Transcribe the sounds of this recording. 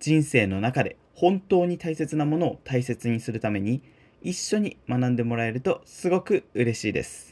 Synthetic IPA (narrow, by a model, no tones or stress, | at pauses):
d͡ʑĩɰ̃se̞ːno̞nakad̪e̞ | hõ̞nt̪o̞ːɲ̟it̪aise̞t͡sɨnamo̞no̞ːt̪aise̞t͡sɨɲ̟isɨɾɯ̟t̪ame̞ɲ̟i | iɕːo̞ɲ̟imanãnd̪e̞mo̞ɾae̞ɾɯ̟t̪o̞sɨɡo̞kɯ̟ɯɾe̞ɕiːd̪e̞̰sɨ̥